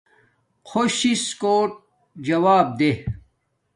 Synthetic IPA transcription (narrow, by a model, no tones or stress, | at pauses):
kʰoɕiskoːʈ̚ | d͡ʑɐwaːb̚d̪e